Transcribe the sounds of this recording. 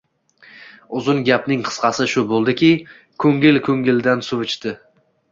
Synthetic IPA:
ʊzʊŋɡʲapnɪŋqʰɨ̥sqɑsɪʃʊbolˠd̪ɪkʲʰɪ | kʰɵŋɪlkʰɵŋʲɪld̪ansʊvʊt͡ʃt̪ɪ

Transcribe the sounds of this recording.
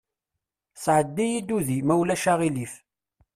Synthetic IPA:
sʕəd̪ːijid̪uðimæwlæʃaʁilif

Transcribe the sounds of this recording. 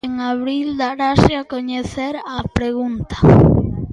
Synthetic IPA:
ẽŋaβɾild̪aɾaʃeakoɲeθeɾapɾeɣũnt̪ḁ

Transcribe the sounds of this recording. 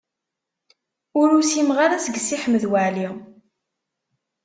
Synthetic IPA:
ʊɾusimʁaɾæsəɡsːiħəmːəðwæʕli

